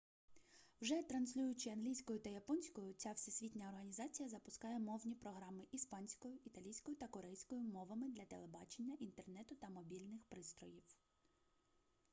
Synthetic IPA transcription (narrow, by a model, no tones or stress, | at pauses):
wʒɛt̪ɾɐnsʲlʲujʊt͡ʃɪɐnɦlʲijsʲkɔjʊt̪ɐjɐpɔnʲsʲkɔjʊt͡sʲawsesʲʋʲitʲnʲɐɔrɦɐnʲizɑt͡sʲijɐzɐpʊskɑjɛmɔwnʲipɾɔɦɾɑmɪʔispɑnʲsʲkɔjʊit̪ɐlʲijsʲkɔjʊt̪ɐkɔɾɛjsʲkɔjʊmɔʋɐmɪd̪lʲɐt̪elˠebɑt͡ʃe̞nʲːɐʔint̪ernɛt̪ʊt̪ɐmɔbʲilʲnɪxpɾɪst̪ɾɔjiw